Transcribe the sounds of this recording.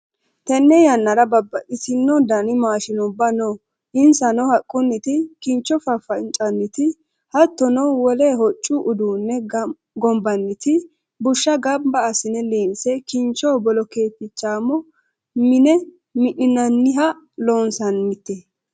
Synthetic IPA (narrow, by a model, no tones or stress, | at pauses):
t̪ɛnːɛjɐnːɐɾɐbɐbːɐʔɪsɪnːɔd̪ɐnɪmaːʃɪnɔbːɐnoː | ɪnsɐnɔhɐkʼːʊnːɪt̪ɪkɪnt͡ʃːɔfɐfɐnt͡ʃʼɐnːɪt̪ɪ | hɐt̪ːɔnɔwɔleːɦɔt͡ʃʼːʊʔʊd̪uːnːɛ | ɡɔmbɐnːɪt̪ɪ | bʊʃːɐɡɐmbɐːsɪnɛleːnsɛkɪnt͡ʃːɔbɔlɔkeːt̪ːɪt͡ʃːaːmɔ | mɪnɛ | mɪʔɪnɐnːɪɦɐ | loːnsɐnːɪt̪ːɛ